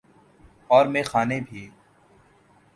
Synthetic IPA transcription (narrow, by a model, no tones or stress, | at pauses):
ɔːɾmẽːxaːnebʱieː